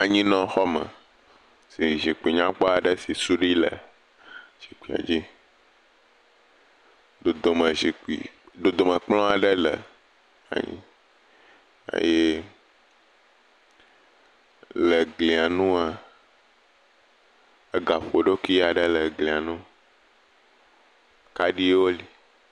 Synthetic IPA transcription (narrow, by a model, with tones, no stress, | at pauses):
a˨ɲĩ˦nɔ̃˨xɔ˦mə̰̃˨ | si˨ʒi˨k͡pi˨ɲã˦k͡pɔ˦a˨ɖə˦si˨su˦ɖi˦lə˨ | ʒ̥i˨k͡pi˨a̰˨d͡ʑi˦ | do˨d̪o˨mə̃˨zi˨k͡pḭ˨do˨d̪o˨mə̃˨k͡plɔ̃˦a˨ɖə˦lə̰˨ | a̰˨ɲḭ̃˦ | ḛ˦je˦ | lə˨ɡli˨a˨nũ˦a˨ | ə˦ɡa˨ɸo˨ɖo˦ki˦a˨ɖə˦lə˨ɡlĩ˨a˨nũ˦ | ka˦ɖi˦wo˦li˨